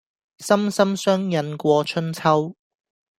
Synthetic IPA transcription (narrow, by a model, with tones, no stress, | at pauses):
sɐ˥msɐ˥msœː˥ŋjɐ˧nkʷɔː˧t͡ʃʰɵ˥nt͡sʰɐ˥w